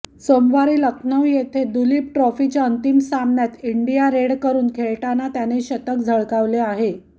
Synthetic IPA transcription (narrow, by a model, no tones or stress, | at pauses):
somʋaɾiːləkʰnəʋjet̪ʰed̪uliːp̚ʈɾɔfit͡ɕjaənt̪imsamɳjat̪iɳɖijaɾeɽkəɾuːnkʰeɭʈanːat̪janeɕət̪ək̚d͡zʱəɭkaʋleaɦe